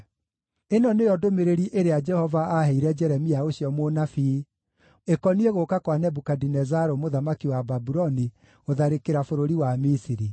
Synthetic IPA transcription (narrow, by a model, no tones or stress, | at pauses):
enɔnejɔdomeɾeɾiʔeɾead͡ʒɛhɔvaːhɛiɾɛd͡ʒɛɾɛmiaoɕiɔmonafi | ekɔnieɣokakwanɛbukadinɛzaɾomoðamakiwababuɾɔni | oðaɾekeɾafoɾoɾiwamisiɾi